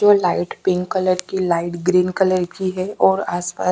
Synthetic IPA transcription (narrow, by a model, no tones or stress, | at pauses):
d͡ʒoːlaːɪʈpɪ̃ŋkːələɾkilaːɪʈɡɾiːnkələɾkiɦɛɔːɾaːspa̰ː